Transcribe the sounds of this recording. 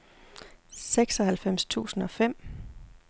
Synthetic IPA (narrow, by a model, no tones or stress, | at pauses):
seɡ̥sɒ̽hælfem̰st͡sʰṵːsn̩ɒ̽fem̰